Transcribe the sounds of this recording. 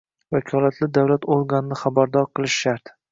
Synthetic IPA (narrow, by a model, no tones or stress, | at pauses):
vakʰɒlˠat̪ʰlɪd̪awlat̪oɾɡanɪnɪχabaɾd̪ɒɾqʰɨlˠɪʃʃaɾt̪